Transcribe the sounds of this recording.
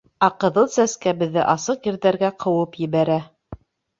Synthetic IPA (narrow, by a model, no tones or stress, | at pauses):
æqɤ̆ðɤlˠsæskæβɘ̆ðːɘʔɑsɤqjɘ̆ɾðæɾɡæqʰɤ̆wɤpjɘ̆βæɾæ